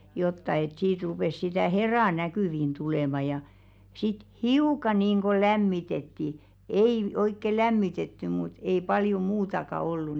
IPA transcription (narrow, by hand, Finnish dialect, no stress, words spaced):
jotːɑ et siːt rupeˑs sitæˑ herɑ nækyˑʋin tuleˑmɑ jɑ sit hiukɑ niːnɡ̊o læmːitetːi ei oikːe læmːitetːy mut ei pɑljo muːtɑkɑ olːu